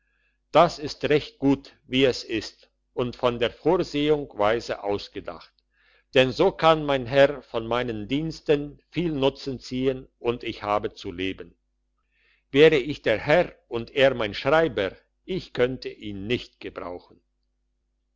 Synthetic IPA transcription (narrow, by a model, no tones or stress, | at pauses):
d̥asɪstʁɛçt̚ɡ̥uːt | viːɛsɪst | ʔʊntfɔndeːɐfoːɐzeːʊŋv̥aɪzəʔaʊsɡ̥əda̰χt | d̥ɛnzoːkʰanmaɪnɦɛʁfɔnmaɪnəndiːnstənfiːlnʊt͡sən̩t͡siːənʔʊntɪçhaːbət͡suleːbən | vɛːʁəɪçd̥eːɐhɛʁʊnteːɐmaɪnʃʁ̥aɪbə | ʔɪçkʰœntʰəʔiːnːɪçtɡ̥əbʁa̰ʊxn̩